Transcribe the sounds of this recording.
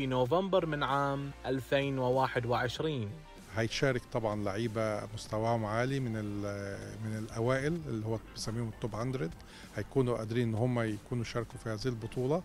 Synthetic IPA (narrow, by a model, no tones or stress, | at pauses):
finoːvambɑɾˤmɪnʕaːmʔalfeːnwɪwaːħɪd̪wɪʕɪʃɾiːn | hæj̪ʃaːɾˤɑkt̪ˤɑbʕɑnlaʕiːbæmʊst̪æwæːhʊmaʕaːlimɪnɪlmɪnɪlʔæwaːʔɪlɪlːihowːæb̥ɪsæmːiːhomt̪ˤːoːbhand̪ɾɪd̪ | hæjkuːnuʔæ̰d̪ɾiːnʔenːhʊmːæjakuːnujʃɑːɾˤɑkufihæːziilbot̪ˤuːlɑ